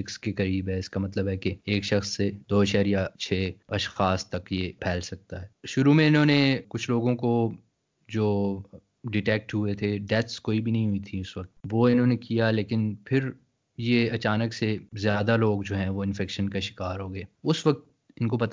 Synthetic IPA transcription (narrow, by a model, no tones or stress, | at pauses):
ɪkskekɐɾiːbɦɛɪskamɐt̪ləbɦɛkeeːkʃɐxsːed̪oːʃɛɦəɾjat͡ʃʰeːɐʃxaːst̪ɐkjepʰɛːlsɐk̚t̪aɦɛːʃʊɾumẽɪnɦõːnekʊt͡ʃʰloːɡõko | d͡ʒoː | ɖɪʈɛːk̚ʈɦuet̪ʰeɖɛt̪skoːibʱinɐɦĩɦʊit̪ʰiʊsʋɐk̚t̪ʋoːɪnɦõːnekijaleːkɪnpʰɪɾ | jeɐt͡ʃaːnəksezjaːd̪aloːɡd͡ʒoːɦɛ̃ʋoɪ̃nfɛːkʃənkaʃɪ̥kaːɾɦoːɡeːʊsʋɐk̚t̪̚ | ɪnkopɐt̪